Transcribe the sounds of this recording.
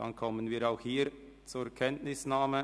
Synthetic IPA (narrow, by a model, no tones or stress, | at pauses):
ɑ̰nkʰɔmənviːɾaʊxhiːɾ | t͡suɛkʰɛntnɪsnaːmə